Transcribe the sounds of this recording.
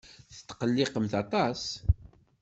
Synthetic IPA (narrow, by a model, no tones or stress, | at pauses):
θə̥t̪ːqəlːɪqəmθɑt̪ˤɑs